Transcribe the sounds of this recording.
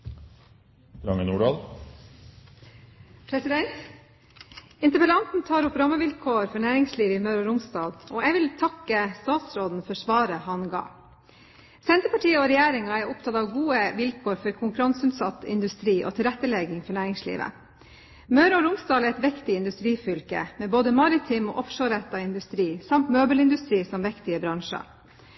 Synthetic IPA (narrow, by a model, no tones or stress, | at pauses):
ɾɑŋənuːɖɑːl | pʰɾɛsɪd̪ɛnt̪ | ɪnt̪əpəlɑnt̪n̩t̪ʰɑːɾʊpɾɑməʋɪlkʰoːɾfɔɳæːɾɪŋsliːʋəɪmœʉɾɑɾʊmsd̪ɑːlʔoːɛʋɪlt̪ʰɑkːəst̪ɑːt̪sɾoːd̪n̩fɔʂʋɑːɾəhɑnɡɑ̰ː | sɛnt̪əpɑʈiːəɔɾɛjæːɾɪŋɑæɾʊpt̪ʰɑt̪ɑʋɡuːəʋɪlkʰoːɾfɔɾkʰʊŋkʉɾɑnsʉnt̪sɑt̪ːɪ̰nd̪ʉst̪ɾiːʔɔ̰ːt̪ʰɪlɾɛt̪ːəlɛɡɪŋfɔɳæːɾɪŋslḭːʋə̰ | mɑʉɾɑɾʊmst̪ɑːlæɾɛt̪ʋɛkt̪ɪɪnd̪ʉst̪ɾiːfʏlkə̰mɛːboːd̪əmɑɾɪt̪ʰɪmɔ̰ːʔɔfʂoːɾɛt̪ːɑɪnd̪ʉst̪ɾiːsɑmt̪møːbəlɪnd̪ʉst̪ɾiːsɔmʋɛkt̪ɪəbɾɑŋʂɑ̰